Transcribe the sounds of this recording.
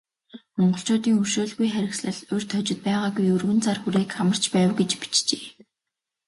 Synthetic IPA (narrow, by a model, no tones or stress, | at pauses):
mɔɴɢɞ̆ɬt͡ɕʊːt̪iːŋɵrʃoːɮɣujχæɾʲɪ̆ksɮə̆ɮʊr̥t̪ʰœt͡ɕɪ̆t̪̚pæːʁaːɡujɵrɣɘ̆nt͡sarxuɾeːkχamə̆r̥t͡ɕpæːwɡet͡ɕpi̥t͡ɕt͡ɕeː